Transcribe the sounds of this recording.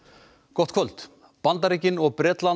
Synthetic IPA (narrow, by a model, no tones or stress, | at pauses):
kɔht̪̚kʰvœlt̪ | pant̪aɾiːcɪnɔɣpɾɛːt̪lan